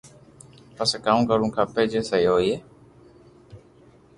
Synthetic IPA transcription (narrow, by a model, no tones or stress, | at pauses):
pəskaːũkəɾũːkʰãːpeːd͡ʒeːsəjoːiːeː